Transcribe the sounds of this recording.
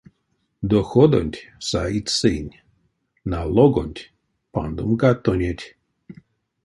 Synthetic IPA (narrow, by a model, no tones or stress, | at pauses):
d̪ɔxod̪o̰nʲtʲsait̪ʲsɨnʲ | nalˠɔɡo̰nʲtʲ | pa̰nd̪umɡat̪ːonʲetʲ